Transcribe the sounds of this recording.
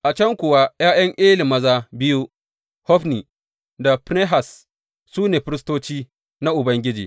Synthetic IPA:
ʔa˨t͡ʃɐ˦ŋkʷʊ˨wa˦j̰ʔaː˦j̰ɐ˦ŋʔɪː˦lɪ˨mɐ˦zaː˦bɪ˦ju˦ | hɔ˦ɸniː˨ | da˨pne˦ɦa˨s | suː˦neː˨ɸɪ˦ɾɪ˦stoː˦t͡ʃiː˦ | na˦ʔʊ˨bɐ˦ŋɡʲɪ˦d͡ʒḭː˨

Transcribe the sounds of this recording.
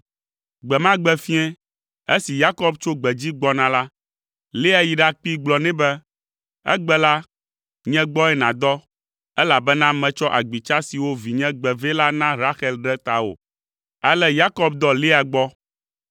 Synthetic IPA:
ɡ͡bɛ˨mã˦ɡ͡bɛ˨fi˦ɛ̃˦ | e˦si˨ja˦kɔ˦bt͡ʃo˦ɡ͡bɛ˨d͡ʑi˦ɡ͡bɔ˦nã˨la˦ | le˦a˨ji˨ɖa˦k͡pi˦ɡ͡blɔ˨nɛ̃˦bɛ˦ | ɛ̰˦ɡ͡bɛ˦la˦ | ɲɛ̃˦ɡ͡bɔ˦ɛ˦nã˨d̪ɔ˦ | ɛ˦la˨bɛ˦nã˦mɛ̃˨t͡ʃɔ˦ʔa˨ɡ͡bi˨t͡ʃa˦si˨wo˦vi˨ɲɛ̃˦ɡ͡bɛ˨ve˦la˦nã˦ɾa˦xɛ˦lɖɛ˦t̪a˨o̰˨ | a˦lɛ˦ja˦kɔ˦b̚d̪ɔ˦le˦a˨ɡ͡bɔ˦

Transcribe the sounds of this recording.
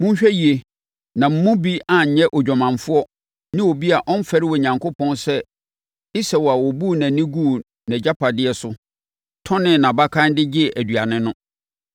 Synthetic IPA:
mʊ̃˦ɲ˦ɕᶣɛ˦ji˨e˨ | nã˨m̩˦mʊ̃˦bi˦a˨ɲ̩˨ɲɛ̃˦ʔɔ˨d͡ʑᶣɔ˨mã˨ɱfʊ˦ɔ˦ | nɪ̃˦wo˨bi˦a˨ʔɔ̃˦n̩˦fɛ˦ɾɪ˦wɔ˨ɲã˨ŋkʰo˦pʰɔ̃˦nsɛ˦ | ɪ˦sɛ˨wɔ˨a˨wɔ˨bu˦˨nã˨nĩ˦ɡu˦˨ | nɛ̃˨d͡ʑa˦pʰa˨dɪ˦ɛ˨sʊ˦ | tʰɔ̃˦nɪ̃˦˨nã˨ba˦kʰã˦n˦dɪ˦d͡ʑɪ˦˨ʔæ˨du˨a˨nɪ̃˦nʊ̃˦

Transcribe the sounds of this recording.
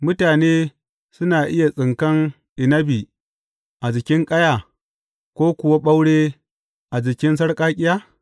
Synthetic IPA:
mʊ˦taː˨neː˦ | sʊ˦naː˨ʔɪ˦ja˨sʼɪ˨ŋkɐ˦ŋ | ʔɪ˨nɐ˦bi˨ | ʔa˨d͡ʒɪ˨kʲɪ˦ŋkʼɐ˦ja˨ | kʷoː˦kʷʊ˨wa˦ɓa˦wɽeː˦ | ʔa˨d͡ʒɪ˨kʲɪ˦ns̬ɐ˦ɽkʼaː˦kʲʼɪ˦jaː˦

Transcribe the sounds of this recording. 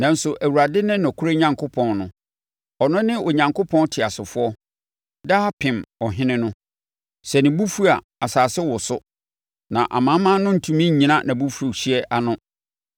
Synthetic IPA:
nã˨n̩˦sʊ˨ʔæ˨wu˨ɾa˨dɪ˦nɪ̃˦nɔ̃˨kʰu˦ɾe˦ɲã˨ŋkʰʊ˦pʰɔ̃˨nnʊ̰̃˨ | ɔ˨nʊ̃˦nɪ̃˦ʔo˨ɲã˨ŋkʰo˦pʰɔ̃˦ntʰɪ˨a˨sʊ˨fʊ˦ɔ˦ | da˦pʰɪ̃˨mɔ˨ɦɪ̃˦nɪ̃˦nʊ̃˦ | sɛ˨nɪ̃˨bu˦fu˦a˨ | a˨saː˨sɪ˦wɔ˨sʊ˦ | nã˨ʔa̰˨mã˦mã˦nʊ̃˦n̩˨tʰũ˦mĩ˦˨ɲĩ˨˦nã˦nã˨bu˦fu˨˦u˨ɕi˦ɛ˦ʔa˨nʊ̃˦

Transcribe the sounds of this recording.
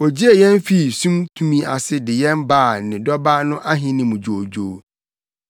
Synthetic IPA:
wɔ˨d͡ʑi˦e˨jɛ̃˦n˦fi˦˨sũ˦mtʰũ˦mĩ˦a˨sɪ˦dɪ˨jɛ̃˦mbaː˦˨nɪ̃˨dɔ˦ba˦nʊ̃˦ʔa˦ɦɪ̃˦nɪ̃˨mʊ̃˨d͡ʑo˨d͡ʑoː˨

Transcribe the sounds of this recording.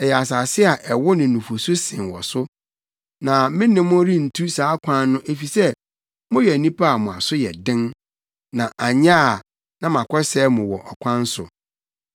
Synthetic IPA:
ɛ˨jɛ˨a˨s̬aː˨sɪ˦a˨ʔɛ˨wɔ˦nɪ̃˨nũ˨fo˨sʊ˦sɪ̃˨nwɔ̰˨sʊ˦ | nã˨mɪ̃˦nɪ̃˨mʊ̃˦ɾi˦n̩˨tʰu˦saː˨˦kʷʰã˦nːʊ̃˦ʔe˨fi˨sɛ˦ | mʊ̃˦jɛ˨nĩ˦pʰa˦a˨mʊ̃˨a˨sʊ˦jɛ̰˨dɪ̃˦n | nã˨ʔa˨ɲã˦˨ | nã˦mã˨kʰɔ˦sɛː˦mʊ̃˨wɔ˨ʔɔ˨kʷʰã˦n˦sʊ̰˨

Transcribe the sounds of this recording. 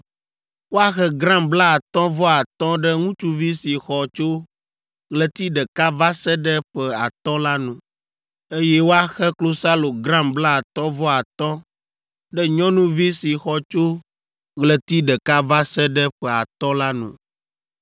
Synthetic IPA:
wo˦a˦xɛ˦ɡɾã˦mbla˦a˨t̪ɔ̃˦vɔ˦a˨t̪ɔ̃˦ɖɛ˦ŋũ˦t͡ʃu˦vi˦si˨xɔ˨t͡ʃo˦ | ɣlɛ˨t̪i˦ɖɛ˨ka˦va˦sɛ˦ɖɛ˦ɸɛ˨a˨t̪ɔ̃˦la˦nṵ̃˨ | e˦jɛ˦wo˦a˦xɛ˦klo˦sa˦lo˨ɡɾã˦mbla˦a˨t̪ɔ̃˦vɔ˦a˨t̪ɔ̃˦ | ɖɛ˦ɲɔ̃˦nũ˦vi˦si˨xɔ˨t͡ʃo˦ | ɣlɛ˨t̪i˦ɖɛ˨ka˦va˦sɛ˦ɖɛ˦ɸɛ˨a˨t̪ɔ̃˦la˦nṵ̃˨

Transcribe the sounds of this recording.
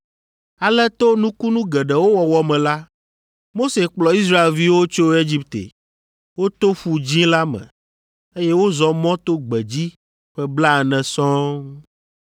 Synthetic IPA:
a˨lɛ˦t̪o˦nũ˦ku˦nũ˦ɡɛ˨ɖɛ˨wo˦wɔ˨wɔ˨mɛ̃˨la˦ | mo˦se˨k͡plɔ˨i˦s̬ɾa˦e˨lvi˦wo˦t͡ʃo˦e˦d͡ʑi˦pt̪ḛ˨ | wo˦t̪o˦ɸu˨d͡ʑĩ˦la˦mɛ̰̃˨ | e˦je˦wo˦zɔ˨mɔ̃˦t̪o˦ɡ͡bɛ˨d͡ʑi˦ | ɸɛ˦bla˦ɛ˨nɛ̃˨sɔ̃˦

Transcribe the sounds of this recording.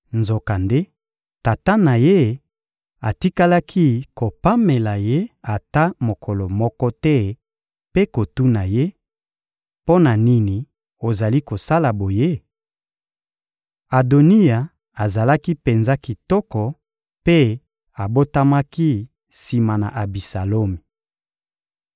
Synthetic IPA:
nzo˨ka˨nde˦ | ta˨ta˦na˨je˦ | a˨ti˦ka˦la˦kʰi˦ko˨pa˦me˨la˨je˦a˨ta˦mo˨kʰɔ˨lɔ˨mɔ˦kɔ˦tɛ˦ | pe˦ko˨tu˦na˨je˦ | po˦na˨ni˦ni˨ | o˨za˨li˦ko˨sa˦la˨bo˨je˦ | a˨do˨ni˦ja˨ | a˨za˨la˦ki˦pe˨nza˦ki˨tɔ˦kɔ˨ | pe˦ | a˨bo˦ta˦ma˦ki˦ | si˨ma˨na̰˨ʔa˨bi˨sa˨lo˦mi˨

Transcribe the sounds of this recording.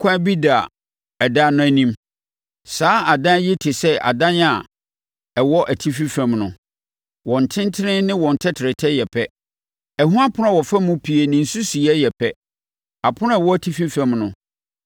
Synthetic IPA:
kʷʰã˦bi˦da˨ | ɛ˨da˦nʊ̃˦æ˨nĩ˦m | saː˨˦a˨dã˦jɪ˦tʰɪ˨sɛ˦ʔa̰˨dã˦na˨ | ɛ˨wɔ˦ʔæ˨tʰi˦fi˦fɛ̃˨mnʊ̃˨ | wɔ̃˨n̩˨tʰɪ̃˦ntʰɪ˦ɾɪ̃˦nɪ̃˦wɔ̃˨n̩˨tʰɛ˦tʰɪ˨ɾɪ˨tʰɛ˦jɛ˨pʰɛ˦ | ɛ˨ɦũ˦ã˦pʰʊ˦ʊ̃ã˦˨wɔ˨fa˦mʊ̃˦pʰi˨e˨nɪ̃˨n̩˨su˦si˨ɛ˦jɛ˨pʰɛ˦ | a˨pʰʊ˦ʊ̃˦ɛ˨wɔ˦æ˦tʰi˦fi˦fɛ̃˨mnʊ̃˨

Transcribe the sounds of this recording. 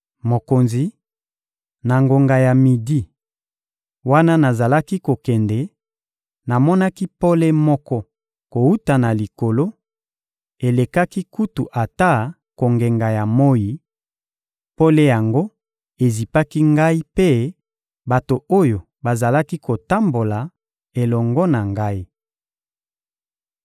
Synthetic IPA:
mo˨ko˨nzi˨ | na˨ŋɡo˨ŋɡa˨ja˨mi˨di˦ | wa˦na˦na˨za˨la˦ki˦ko˨kɛ˨ndɛ˨ | na˨mɔ˦na˦ki˦po˦le˦mɔ˦kɔ˦ | ko˨wu˦ta˨na˨li˨ko˨lo˦ | e˨le˨ka˦ki˦ku˦tu˨ʔa˨ta˦ | ko˨ŋɡe˨ŋɡa˨ja˨mo˦ji˨ | po˦le˦ja˨ŋɡo˦ | e˨zi˨pa˦ki˦ŋɡa˦i˦pe˦ | ba˨to˨o˦jo˨ | ba˨za˨la˦ki˦ko˨ta˦mbo˨la˨ | e˨lɔ˨ŋɡɔ˦na˨ŋɡa˦i˦

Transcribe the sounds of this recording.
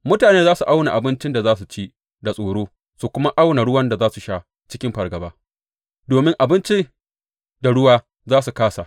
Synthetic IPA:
mʊ˦taː˨neː˦zaː˦su˨ʔa˦wna˨ʔa˨bɪ˦nt͡ʃɪ˦nda˨zaː˦s̬u˨t͡ʃi˦ | da˨sʼoː˨ɽoː˦ | su˨kʷʊ˦ma˦ʔa˦wna˨ɽʊ˦wɐ˦nda˨zaː˦su˨ʃa˦ | t͡ʃɪ˦kʲɪ˦mɸɐ˨rɡɐ˨baː˦ | doː˨mɪ˦ŋʔa˨bɪ˦nt͡ʃi˦ | da˨ɽʊ˦waː˦ | zaː˦su˨kaː˦sa˨

